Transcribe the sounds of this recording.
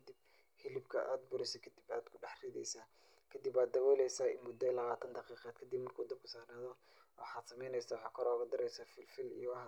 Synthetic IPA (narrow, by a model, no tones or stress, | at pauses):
d̪ib̚ | hɪlɪbkʰɐ̰ʔaːd̪̚bʊɾɛsɐkʰɐd̪ibaːd̪kʰʊɖɑħriːðɛ̰jsaː | kʰɐd̪ibaːd̪ːɐwɛːlɛjsaːmʊd̪ɐlɐɣaːt̪ʰɐnd̪ɑqiːqɛːd̪̚kʰɐd̪ibmɐrkʰuːd̪ɐb̚kʰʊsaːrnaːðɔ | ɑħaːd̪sɐmɛjnɛjsawħaːkʰɔɾɔːɣɐd̪ɪɾɛjsafɪlfɪlḭjɔwħa